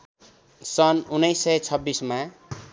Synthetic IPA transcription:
sʌnunːʌjsːʌjt͡sʰʌbːisma

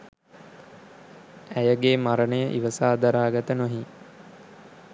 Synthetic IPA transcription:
æjəɡeːmaɾənəjəʔḭʋəsaːd̪aɾaːɡat̪ənoɦi

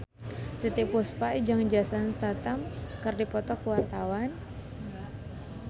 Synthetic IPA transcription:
t̪it̪ipuspaid͡ʒaŋd͡ʒasanst̪at̪amkɨrdipɔt̪ɔkuwart̪awan

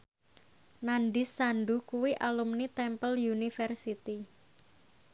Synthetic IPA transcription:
nanɖɪsːanɖukuwiʔalumnit̪ɛmpəljunifɛrsit̪i

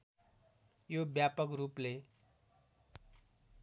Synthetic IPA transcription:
jobjapʌkruple

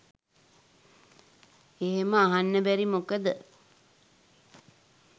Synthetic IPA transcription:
eɦeməaɦanːəbæɾimokəd̪ə

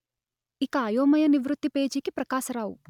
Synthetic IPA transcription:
ikɐːjoːmɐjɐniʋɾut̪ːipeːd͡ʒiːkipɾɐkaːʃɐɾaːwu

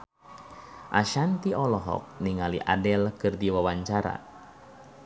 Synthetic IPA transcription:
ʔaʃant̪iʔɔlɔɦɔ̰k̚niŋaliʔadɛlkɨrdiwawaɲt͡ʃaɾa̰

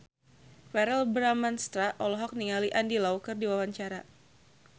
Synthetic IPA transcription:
fɛɾɛlbɾamanst̪ɾaʔɔlɔɦɔk̚niŋaliʔandilawkɨrdiwawaɲt͡ʃaɾa

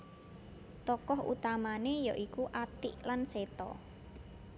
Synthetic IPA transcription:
t̪ɔkɔɦṵt̪amanejɔʔikuʔat̪ɪʔlanset̪ɔ̰

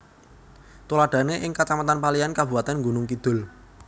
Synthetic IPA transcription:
t̪olaɖ̥a̤neʔɪŋkat͡ʃamat̪anpaliankab̥ṳwat̪anŋɡunʊŋkid̪̥ʊ̤l

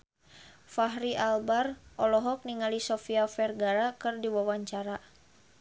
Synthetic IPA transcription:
faɦɾiʔalbarʔɔlɔɦɔk̚niŋalisɔfiafɛrɡaɾakɨrdiwawaɲt͡ʃaɾa

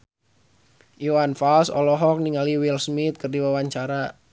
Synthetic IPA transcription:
ʔuwanfalsɔ̰lɔɦɔk̚niŋaliwilsmit̪̚kərdiwawaɲt͡ʃaɾa

